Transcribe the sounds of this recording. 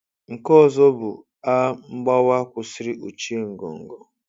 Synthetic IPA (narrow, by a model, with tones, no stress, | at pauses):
ŋ̩˨kɔ˦˨zɔ˦bʊ̰˨ | a˦m̩˦ɡ͡ba˦wa˦kʷʊ˨si˦ɾi˦ʔo˨t͡ʃi˦e˦ŋ̩˨ɡo̰˨ŋ̩˨ɡo˨